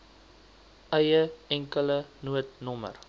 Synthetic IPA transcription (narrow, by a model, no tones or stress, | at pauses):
ʔəjəɛŋkələnuətnɔmə̰r